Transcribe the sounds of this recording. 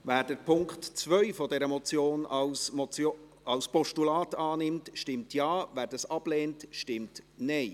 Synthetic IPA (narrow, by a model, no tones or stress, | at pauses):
væːɾdəɾpʰʊŋkχtt͡svœʏfɔdɛɾəmɔt͡sjoːns | ɑwspɔʃtulɑːtɑːnɪmtʃtɪmtjɑːvæːɾdɑsɑb̥leːntʃtɪmtnɛɪ